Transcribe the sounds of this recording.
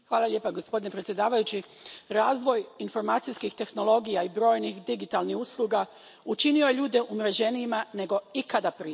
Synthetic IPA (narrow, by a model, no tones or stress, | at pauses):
xʋaːlˠaʎʲje̞ːpaɡospod̪inepɾetsʲje̞d̪aːʋajut͡ɕi | ɾaːzʋo̞jinfo̞ɾmaːt̪sijskixt̪e̞xno̞lo̞ɡijaibɾo̞ːjnixd̪iɡit̪alnixuslˠuɡa | ut͡ʃinio̞je̞ʎuːd̪e̞ʔumɾed͡ʑe̞niːmane̞ɡo̞ikad̪apɾi